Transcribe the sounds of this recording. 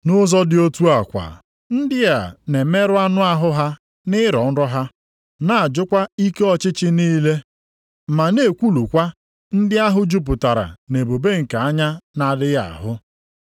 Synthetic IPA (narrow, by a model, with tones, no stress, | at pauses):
nʊ˦zɔ˦dɪ˨o˦tu˦a˨kʷa̰˨ | n̩˦dɪ˦ja˨ne˨me˦ɾʊ˦a˦nʊ˦a˦ɦʊ˦ɦa˦ | nɪ˦ɾɔ˨n̩˦ɾɔ˦ɦa˦ | na˦a˨d͡ʒʊ˦kʷa˦i˦ke˦ɔ˦t͡ʃɪ˦t͡ʃɪ˦niː˦le˦ | ma˨ne˨kʷu˦lu˨kʷa˦ | n̩˦dɪ˦a˦ɦʊ˦d͡ʒu˦p̬ʊ˨ta˨ɾa̰˨ne˨bo˨be˦ŋ̩˨ka˨a˦ɲa˦na˨dɪ˦ja̰˨a̰˨ɦʊ˦